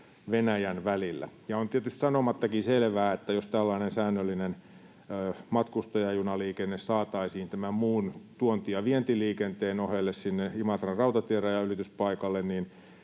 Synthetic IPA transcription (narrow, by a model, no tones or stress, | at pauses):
ʋenæjænʋælilːæ̰jɑont̪iet̪yst̪sɑnomɑt̪ːɑkiselʋæːet̪ːæjost̪ælːɑinensæːnːølːinenː | mɑt̪kust̪ɑjɑjunɑliːkenːessɑːt̪ɑisiːnt̪æmæmmuːnt̪uont̪iɑʋient̪iliːkent̪eːnohelːessinːeimɑt̪rɑrɑut̪ɑt̪ieræjɑyrit̪yspɑikɑlːennin